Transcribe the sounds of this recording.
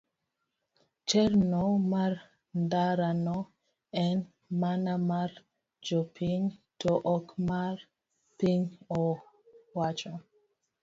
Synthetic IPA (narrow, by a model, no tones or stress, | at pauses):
t͡ʃɛɾnɔmaɾ | ndaɾanɔ | ɛn | manamaɾ | d͡ʒɔpʰiŋtʰoʔɔkmaɾ | piŋɔ | wat͡ʃɔ